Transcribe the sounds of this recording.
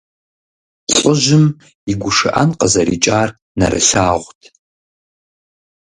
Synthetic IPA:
ɕʷʼʊʒɪm | iɡʷʊʂɨʔa̰nqʼəzɐɾit͡ʃʼaːr | nɐ̰rɨ̰ɬaːʁʷtʰ

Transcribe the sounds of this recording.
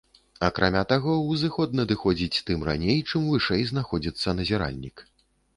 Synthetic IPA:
ɐkɾʔa̰mʲat̪aɣɔwzɨxɔd̪nɐd̪ɨxɔd͡zʲit͡sʲt̪ɨmra̰nʲejt͡ʂɨmvɨʂɛjznaxɔd͡zʲit̪sːɐnɐzʲɛɾa̰lʲnʲik

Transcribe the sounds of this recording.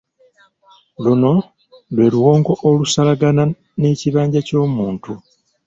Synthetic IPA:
luno̞ | lwe̞ːluwo̞ːŋɡo̞ʔolusalaɡana | neːciβaːɲɟaco̞ːmuːntu

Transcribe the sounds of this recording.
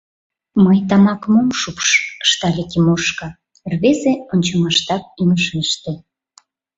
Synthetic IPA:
məjt̪̬ɑmɑkəmomʃupʃə̥ʃt̪ɑlʲekemoʃkɑ | rβezeonʲt͡ɕomɑʃt̪ɑk̚iməʃmiʃt̪e

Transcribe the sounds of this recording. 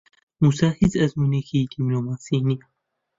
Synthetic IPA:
musaːhizɐzmunikʰid̪̥imlomasini

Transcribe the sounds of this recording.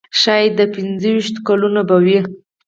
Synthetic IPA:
ʃɑjd̪ːəpɪnzəwiʃt̪kalunobawi

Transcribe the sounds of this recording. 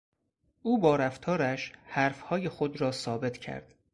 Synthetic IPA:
ʔuːbɒːɾæft̪ʰɒːɾæʃhæɾfhɒːjexod̪ɾɒːsɒːbe̞t̪ʰcʰæ̰ɾd̪̥

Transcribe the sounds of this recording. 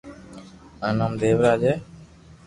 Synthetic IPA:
ənəmd̪eːʋɾaːd͡ʒeː

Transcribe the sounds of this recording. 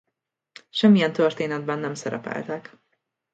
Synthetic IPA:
ʃɛmːijɛnt̪ørt̪eːnɛd̪̚bɛnːɛmsɛɾɛ̰pɛ̰lt̪ɛk

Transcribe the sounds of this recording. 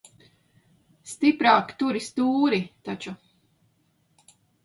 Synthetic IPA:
st̪ipɾaːkt̪uɾist̪uːɾit̪at͡ʃu

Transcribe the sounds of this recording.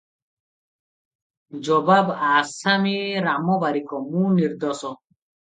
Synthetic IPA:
d͡ʒɔbabasamiɾamɔbaɾikʰɔmuniɾd̪ɔsɔ

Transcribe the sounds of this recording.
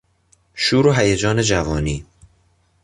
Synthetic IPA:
ʃuːɾoɦæjed͡ʒɒːne̞d͡ʒævɒːniː

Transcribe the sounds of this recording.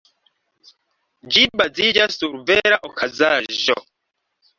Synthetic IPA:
d͡ʒibazid͡ʒastuɾveɾaʔokʰazaːʒo̰

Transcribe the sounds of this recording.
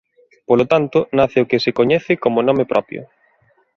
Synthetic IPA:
polot̪ant̪ʊnaθeokɪsɪkoɲɛθɪkomonõmepɾɔ̰pjo̰

